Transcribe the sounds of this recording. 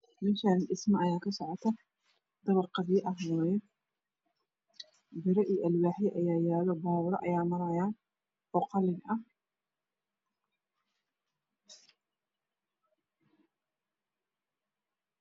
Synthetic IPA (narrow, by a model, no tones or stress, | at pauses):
mɪʃanʔɪsmɐɐjaːkʰɐsɔʕɔt̪ʰɐ | d̪̥ɐβɐrqɑðɪjɐʔɐɦwɑːjɛ | bɪɾɛʔiːʔɐlwaːħjɛʔɐjaːjaːlɔbaːwɾɐ̰ʔɐjaːmɐɾɐjaːn | ɔːqɑlɪɡʔɐ